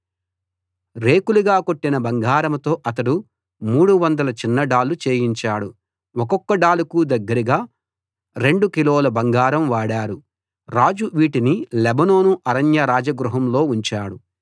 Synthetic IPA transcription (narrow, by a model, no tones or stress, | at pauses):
ɾe̞ːkuluɡaːkoʈːinɐbɐŋɡaːɾɐmt̪o̞ːʔɐt̪ɐɽu | muːɽuʋɐnd̪ɐlɐt͡ʃinːɐɖaːlut͡ʃe̞ːjiɲt͡ʃaːɽu | wɔkɔkːɐɖaːlukud̪ɐɡːɐɾiɡaː | ɾe̞ɳɖukiloːlɐbɐŋɡaːɾɐmʋaːɽaːɾu | ɾaːd͡ʒuʋiːʈinilɛbɐno̞ːnuʔɐɾɐnjɐɾaːd͡ʒɐɡɾuɦɐmlo̞ːuɲt͡ʃaːɽu